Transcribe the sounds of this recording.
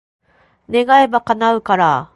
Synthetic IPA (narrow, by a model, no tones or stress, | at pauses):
ne̞ɡaebakanaɯ̟kaɾa